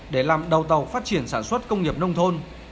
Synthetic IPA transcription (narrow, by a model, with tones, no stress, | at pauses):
ɗe˧˩laː˨˩mɗə˨˩wt̪ə˨˩wfaː˦˥t̚t͡ɕi˧˩ənsaː˧˩nswə˦˥t̚kə˧wŋ͡mŋi˨˩əp̚nə˧wŋ͡mt̪ʰo˧n